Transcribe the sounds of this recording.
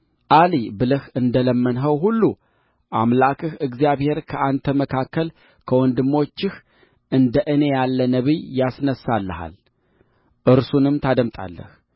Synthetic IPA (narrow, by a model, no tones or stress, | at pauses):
ʔalibɨlɨhɨnd̪ələmːənɦəwɦulːu | ʔamlakʰɨhɨɡzijaβhe̞ɾkʰəʔant̪ʰəməkʰakːəl | kʰəwɔnd̪ɨmːo̞t͡ʃːɪh | ʔɨnd̪əʔɨne̞jalːənəβijasnəsːalːəha̰l | ʔɨɾsunɨmt̪ʰad̪əmt̪ʼa̰lːə̰h